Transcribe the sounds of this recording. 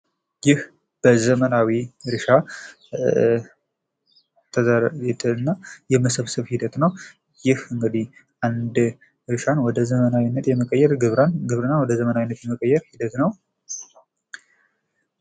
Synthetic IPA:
jɪh | b̥əzəmənawiɾɨʃa | t̪ʰəzaɛt̪ʰʼəɨnːajɛməsəβsɨβhid̪ət̪nəw | jɪhɨŋɡɨd̪ihʔand̪ | ɾɨʃanwɔd̪əzəmənanːət̪jɛməkʼəjːɛɾɡɨβnɡɨβɾɨnːanwɔd̪əzəmənawinːət̪jɛməkʼəjːɛɾhid̪ət̪nəw

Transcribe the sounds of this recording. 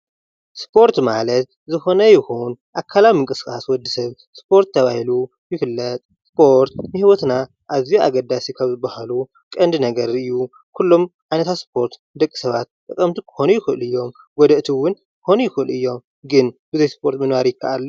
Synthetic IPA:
spʰo̞ɾt̪malɐt̪ | zɨxo̞nɐjɪxunʔakʰːalawimɨŋkʼɨskʼaswɔd̪ːisɐβ | spʰo̞ɾt̪ʰːɐβahilu | jɪfɨlːɐt̪ʼ | spʰo̞ɾt̪nɨhiwɔt̪na | ʔaβzijua̰ɡɐd̪asikʰaβzɨbːahalu | kʼɐnd̪ɨnɐɡɐɾɨjːu | kʰulːo̞mʕajnɐt̪ʰat̪spʰo̞ɾt̪ | d̪ɐkʼːi̥sɐβat̪̚t̪ʼɨkʼːɐmt̪ʰikʰɨ̥xo̞nujɪxɨʔɨ̰lɨjːo̞m | ɡɔd̪ɐʔt̪ʰiwʊn | kɨ̥xonujɪxɨɨlɨjːo̞m | ɡɨnbɨzɐjspʰo̞ɾt̪mɐnwaɾjɪkʰːaʔalː

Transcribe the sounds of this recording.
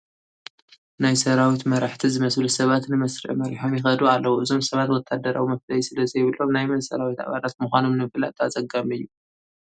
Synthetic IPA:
najsɐɾawit̪mɐɾaħt̪ʰizɨmɐslusɐβat̪nɨmɐsɾḭʔmɐɾiħomjɪxɐd̪ualːɐwuʔɨzo̞msɐβat̪wɔt̪ʰːad̪ɐɾawumɐflɐjsɨlɐzɐjɪβɨlːo̞mnajmɐnsɐɾawit̪a̰βalat̪muxʷano̞mnɨmɨfla̰t̪ʰazɐɡamɨjːu

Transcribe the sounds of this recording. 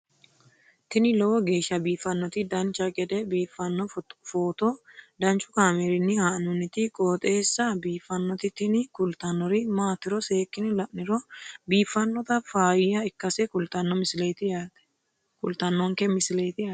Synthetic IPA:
t̪ɪnɪlɔwɔɡe̞ːʃːɐbiːfːɐnːɔt̪ɪd̪ɐnt͡ʃːɐkʼɛd̪ɛbiːfːɐnːɔfoːt̪ɔd̪ɐnt͡ʃʼːʊkaːmeɾɪnːɪhaːʔnʊnːɪt̪ɪkʼoːt̪ʼe̞ːsːɐbiːfːɐnːɔt̪ɪt̪ɪnɪkʊlt̪ɐnːɔɾɪmaːt̪ɪɾɔse̞ːkːɪnɪlɐʔnɪɾɔbiːfːɐnːɔt̪ɐfaːjɪjɐɪkːɐsɛkʊlt̪ɐnːɔmɪslet̪ɪḁ | kʊlt̪ɐnːɔŋkɛmɪsɪlejt̪ɪaː

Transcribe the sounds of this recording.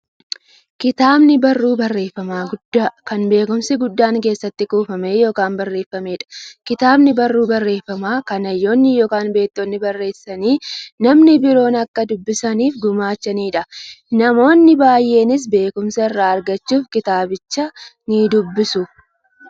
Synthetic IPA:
kɪt̪aːbnɪbɐrːuːbɐrːe̞ːfːɐmaːɡʊd̪kɐnbe̞ːkʊmsɪɡʊd̪ːaːŋke̞ːsːɐt̪ːɪkuːfɐme̞ːjo̞ːkaːnbɐrːe̞ːfːɐme̞ːᶑɐ̥kɪt̪aːbnɪbɐrːuːbɐrːe̞ːfːɐmaːkɐnɐjːo̞ːnːɪjoːkaːnbe̞ːt̪ːoːnːɪbɐrːe̞ːsːɐniːnɐmnɪbɪɾo̞ːnɐkːɐd̪ʊbːɪsɐniːfɡʊmaːt͡ʃːɐniːᶑɐnɐmo̞ːnːɪbaːjːe̞ːnɪs̬be̞ːkʊmsɐɪrːaːɐɾɡɐt͡ʃːuːfkɪt̪aːbɪt͡ʃːɐnɪd̪ʊbːɪsʊ

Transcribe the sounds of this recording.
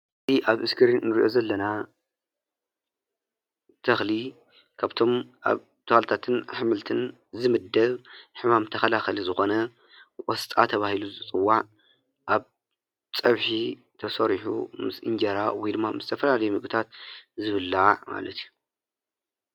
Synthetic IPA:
ʔɨziʔaβʔɨskʰɨɾinnɨɾiʔo̞zɐlːɐna | t̪ʰɐxli | kʰaβt̪ʰo̞ma̰β | t̪ʰɐhalt̪ʰat̪ʰɨnħamɨlt̪ʰɨn | zɨmɨd̪ːɐβħɨmamt̪ʰɐxɐlaxɐlizɨxo̞nɐ | wʼost̪ʼa̰t̪ʰɐβahiluzɨt͡sʼɨwːaʕ | ʔaβ | t͡sʼɐβħi | t̪ʰɐsɐɾħṵmɨsʔɨ̰nd͡ʒɐɾawijd̪ɨmːamɨz̥ɨt̪ʰɐfɐlalɐjumɨɡʼɨt̪ʰat̪̚zɨβɨlːama̰lɐt̪ʰiju

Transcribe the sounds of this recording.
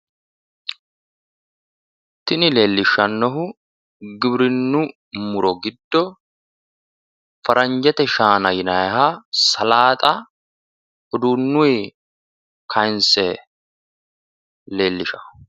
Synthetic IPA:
t̪ɪnɪle̞ːlːɪʃːɐnːɔɦʊ | ɡɪbɾɪnːʊ | mʊɾɔɡɪd̪ːɔ | fɐɾʔɐɲd͡ʒɛt̪ɛʃaːnɐjɪnɐjhasɐlaːt̪ʼɐ | hɔd̪uːnːʊj | kʰɐjnsɛ | le̞ːlːɪʃɐ̥

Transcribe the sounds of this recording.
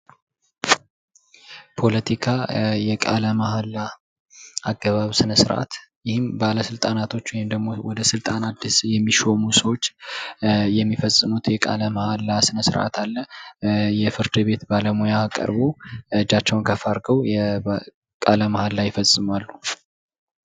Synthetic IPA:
pʰo̞lət̪ʰikʰajɛkʼa̰ləmahalːa | ʔaɡːəβaβsɨnəsɨɾʔa̰t̪jɪhɪmbaləsɨlt̪ʼanat̪ʰo̞t͡ʃːwɔhimd̪əɡmo̞wɔd̪əsɨlt̪ʼanad̪ːisjɛmːiʃo̞musəwo̞t͡ʃː | jɛmːifəsʼːɨmut̪jɛkʼa̰ləmahalːasɨnəsɨɾʔa̰t̪ʰalːə | jɛfɨɾd̪ɨbe̞t̪baləmojaːkʼə̰ɾboɨd͡ʒːat͡ʃːɛwnkʰəfaɾɡəwjɛ | kʼaləmahalːajɪfəsʼːɨmwalːu

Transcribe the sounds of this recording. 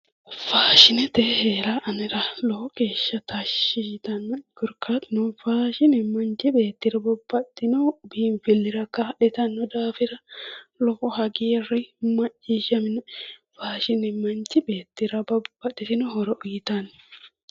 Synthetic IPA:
faːʃɪnɛt̪ɛheːɾaʔɐnɪɾɐlɔkɔkeːʃːɐt̪ɐʃːɪt̪ɐnːɔɡ̥ʊɾkaːt̪ɪnunfaːʃɪnɛmɐnt͡ʃɪbe̞ːt̪ːɪɾɐbɔbːɐtːɪnɔbɪnfɪlːɪɾɐkaᶑɛt̪ɐnːɔd̪aːfɪɾɐlɔkɔhɐɡeːrɪmɐt͡ʃːiːʃɐmɪnfaːʃɪnɛmɐnt͡ʃɪbe̞ːt̪ːɪɾɐbɐbɐᶑɪt̪ɪnʊɦɔɾɔʔʊjɪt̪ɐn

